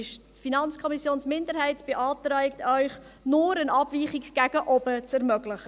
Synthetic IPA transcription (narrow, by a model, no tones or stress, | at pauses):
ɪʃtfinɑnt͡skʰɔmisjoːnsmɪndəɾɦɛɪtb̥eʔɑːtɾœʏk̚tœʏχ | nʊɾənɑbviːχikɡ̥æɡ̥əʔɔbət͡sɛɾmœɡləχə